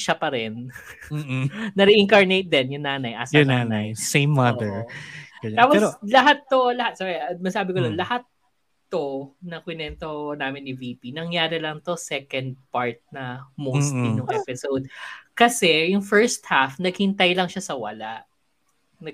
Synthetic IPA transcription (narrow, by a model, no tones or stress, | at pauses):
ʃɐpɐɾɛn | nɐɾɛʔɪŋkɐɹnejt̪̚d̪ɛnjʊŋnaːnɐjʔasjʊŋnaːnajsejmːɐd̪ɛɹɡ̥ɐɲaːpoɾlɐɦat̪ːolɐhat̪̚soɡɛmɐsaːbɪkod̪onlɐhat̪̚ː | onɐkwɪnɛnt̪onaːmɪnːɪviːpinɐŋjaːɾɪlɐŋt̪o̞sɛkɐnd̪̚paɹt̪̚nɐmost̪linʊŋʔɛpɪsowd̪̚kɐsɛjʊŋfɛɹst̪hafnɐɡ̚hɪnt̪ɐjlɐŋʃasɐwɐlaʔ | nɐ